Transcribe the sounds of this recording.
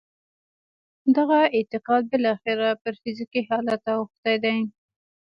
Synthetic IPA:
d̪aɣaɪt̪ɪqɑd̪̚bɪlɑxɪɾapəɾfizikihɑlat̪awʊxt̪ajd̪aj

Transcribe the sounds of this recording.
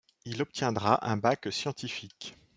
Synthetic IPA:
ilɔp̚t̪jɛ̃d̪ʁaʔɛ̃baksjɑ̃t̪ifik

